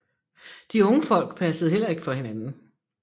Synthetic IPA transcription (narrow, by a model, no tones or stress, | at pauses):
d̥iɔ̽ŋəfɒ̽l̰ɡ̥̚pʰæsəð̩ˠhel̰ɐe̝ɡ̥ə̥fɒ̽he̝nænn̩